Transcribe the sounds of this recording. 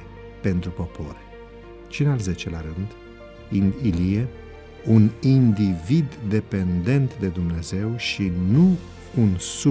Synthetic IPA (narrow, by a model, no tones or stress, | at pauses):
pe̞nt̪ɾupo̞po̞̰ɾ | t͡ʃinalzet͡ʃelaɾɨnd̪ | iilie | unind̪ivid̪ːe̞pe̞nd̪e̞nt̪d̪e̞d̪umne̞ze̞wʃinu | unsu